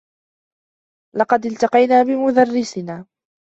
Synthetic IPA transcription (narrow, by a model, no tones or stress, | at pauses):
lɑqɑd̪ɪlt̪ɑqɑjnaːbɪmʊd̪arːɪsɪnaː